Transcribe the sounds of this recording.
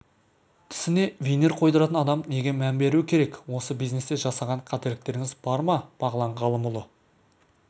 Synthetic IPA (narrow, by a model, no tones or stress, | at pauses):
t̪ʰɪ̥sɪne̞vʲejneɾqʰo̞jd̪əɾɑt̪ənɑd̪ɑmne̞ɡʲe̞mæmbe̞ɾuwɪkʲʰe̞ɾe̞kwo̞səbijzne̞st̪e̞ʒɑsɑʁɑɴqʰɑt̪eɾlɪk̚t̪e̞ɾɪŋʲɪzbɑɾmɑb̥ɑʁəlˠɑɴʁɑlˠəmʊlˠə